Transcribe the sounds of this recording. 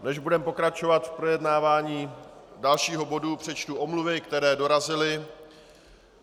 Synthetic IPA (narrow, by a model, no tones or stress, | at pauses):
nɛʒbudɛmpo̞kɾat͡ʃo̞vat̪fpɾo̞jɛdnaːvaːɲiːdalʃiːɦobo̞dupr̝̥ɛt͡ʃt̪uʔo̞mluvɪkt̪ɛɾɛːdo̞ɾazɪlɪ